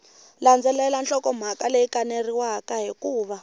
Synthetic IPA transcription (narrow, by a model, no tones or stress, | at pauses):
land͡zʱɛlɛlanɬɔkɔm̤akalejikaneriwakaɦikuːβa